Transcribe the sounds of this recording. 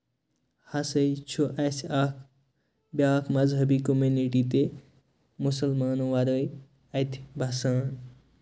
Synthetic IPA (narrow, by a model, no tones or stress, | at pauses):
hɐsəjt͡ʃʰuʔɐsaːkʰ | bjaːkʰmɐzɦɐbikomuniʈit̪e | musɐlmaːnoʋɐɾəj | ɐt̪ʰbʱɐsaːn